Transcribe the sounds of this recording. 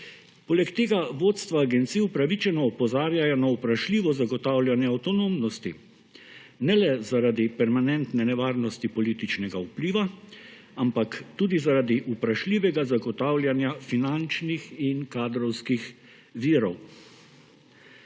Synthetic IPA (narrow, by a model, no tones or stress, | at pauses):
poːlɛkt̪eːɡaʋoːt̪st̪ʋaːɡɛnt̪siːupɾaʋit͡ʃɛnɔːpɔzaːɾjajɔnaupɾaʃlʲiːʋɔzaɡɔt̪awlʲjanjɛawt̪ɔnomnɔst̪i | nɛlɛzaɾaːd̪ipɛɾmanɛnt̪nɛnɛʋaːɾnɔst̪ipɔliːt̪it͡ʃnɛɡaupliːʋa | ampakt̪uːd̪izaɾad̪iʔupɾaʃlʲiːʋɛɡazaɡɔt̪aːwljanjafinant͡ʃnixinkaːd̪ɾɔwskix | ʋiːɾɔw